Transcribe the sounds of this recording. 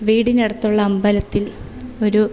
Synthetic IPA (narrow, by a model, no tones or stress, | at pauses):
ʋiːɽineɽɐt̪ːuɭːɐɐmbɐlɐt̪ːil | o̞ɾu